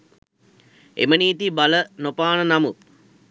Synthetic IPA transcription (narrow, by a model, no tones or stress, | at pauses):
ḛməniːt̪ibalənopaːnənɐmut̪